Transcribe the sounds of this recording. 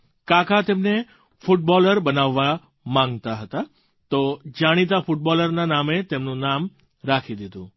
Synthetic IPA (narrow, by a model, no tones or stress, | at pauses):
kakat̪emne | fʊʈ̚bɔləɾbənaʋːa | mãŋɡt̪aɦət̪a | t̪od͡ʒaɽ̃it̪̬afʊʈ̚bɔləɾnanamet̪emnũnam | ɾakʰid̪id̪ṵ̃